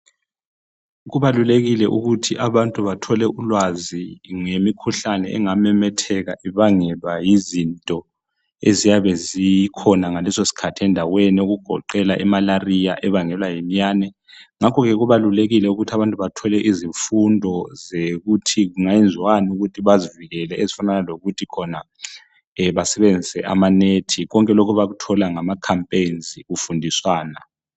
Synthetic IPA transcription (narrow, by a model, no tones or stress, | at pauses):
ɣuβaluleɣilɛʔuɣutʰiʔaβantʼuβatʰɔlɛʔulwaziŋemikʰuɬanɛʔɛŋamɛmɛtʰɛɣaʔiβaŋɛlwajizintʼɔ | ezijaβɛzijkʰɔnaŋalɛsosi̥kʰatʰɛndʱawenioɣuɡ̥ʱɔ̰ǃɛlaʔɛmalarija̰ʔɛβaŋɛlwajemijaːnɛ | ŋakʰɔɣɛɣuβaluleɣilɛuɣutʰiaβantʼuβatʰɔlɛʔiziɱfundʱɔzeɣutʰiɣuŋajend͡zʱwanuɣutʰiβaziviɣɛlɛezifananaloɣutʰikʰɔna | βasɛβend͡zʱisɛʔa̰manetʰiɣɔŋkʼɛlɔkʰɔβaɣutʰɔlaŋamakʰampʼenzʱiɣufundʱiswaːna